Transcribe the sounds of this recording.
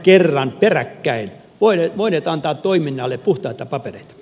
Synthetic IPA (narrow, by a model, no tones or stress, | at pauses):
kerːɑnperækːæin | ʋoineʋoineːt̪ɑnt̪ɑːt̪t̪oiminːɑlːepuht̪ɑit̪ɑpɑpereit̪ɑ̥